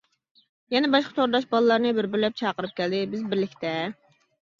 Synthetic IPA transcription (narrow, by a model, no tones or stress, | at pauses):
jɛnɛbɑʃqɑ̥t̪ʰoɾd̪ɑʃbɑlˠɨlːˠɑɾnɨbɪɾbɪɾlɛp̚t͡ʃʰɑːqəɾɨp̚kʲʰɛld̪ɪbɪzbɪɾlɪkʲt̪ʰɛ